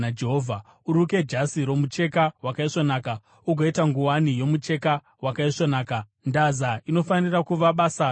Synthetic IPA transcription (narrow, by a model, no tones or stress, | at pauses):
ad͡ʒe̞ɦoːvʱa | uɾuke̞d͡ʒasiɾo̞mut͡ʃe̞kawakaiʂonaːka | uɡʱoitaŋɡuwanijo̞mut͡ʃe̞ka | wakaiʂonaːka | ndazaino̞fanirakuʋaɓaːsa